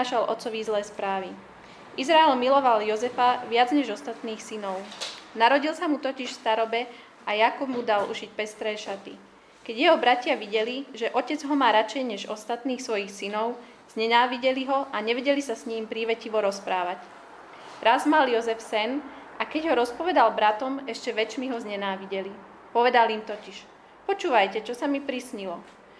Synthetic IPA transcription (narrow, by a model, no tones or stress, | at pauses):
aʃalʔɔ̰t̪t͡sɔʋizlɛːspɾaːʋi | ʔizɾaɛlmilɔʋaljɔzɛfaʋɪad͡zɲɛʒɔst̪at̪niːxsinɔʊnaɾɔɟilsamut̪ɔciʃfst̪aɾɔbɛ | ajakubmud̪alṵʃic̚pɛst̪ɾɛːʃat̪ḭ | kɛɟjɛɦɔbɾacɪaʋiɟɛliʒɛʔɔcɛd͡zɦɔmaːɾat͡ʃɛjɲɛʒɔst̪at̪niːxsʋɔjixsinɔʊ | z̥ɲɛnaːʋiɟɛliɦɔʔaɲɛʋɛɟɛlisasɲiːmpɾiːʋɛciʋɔɾɔspɾaːʋac̪ | ɾazmaljɔzɛfsɛn | akɛɟɦɔɾɔspɔʋɛd̪albɾat̪ɔmɛʃcɛʋɛt͡ʃmiɦɔzɲɛnaːʋiɟɛli | pɔʋɛd̪alimt̪ɔciʃ | pɔt͡ʃuːʋajcɛt͡ʃɔsamipɾisɲilɔ